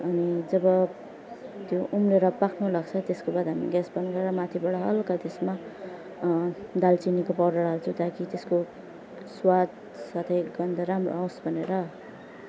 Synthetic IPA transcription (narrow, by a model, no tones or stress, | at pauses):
ʌnid͡zʌbʌ | t̪joʔumleɾʌpakʰnulaɡt͡sʰʌt̪eskobad̪ɦamḭɡasbʌnɡʌɾeɾʌmat̪ʰibaɽʌɦʌlkat̪esma | d̪alt͡sinikopʌɾaɽaɦʌɾut͡sʰʌw̃t̪akit̪esko | swad̪ | sat̪ʰʌjɡʌnd̪ʱaɾamro̰ãw̃sbʱʌneɾʌ